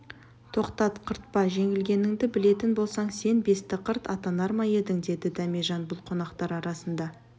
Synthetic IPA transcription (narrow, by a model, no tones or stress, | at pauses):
t̪ʰo̞qt̪ɑt̪qʰəɾt̪̚pɑʒe̞ŋɪlɡʲe̞nɪŋd̪ɪbɪle̞t̪ɪnbo̞lˠsɑɴse̞nbe̞st̪ɪqʰəɾt̪ɑt̪ɑnɑɾmɑje̞d̪ɪŋd̪e̞d̪ɪd̪ɑmeʒɑnbʊlˠqʰo̞nɑqt̪ɑɾɑɾɑsənd̪ɑ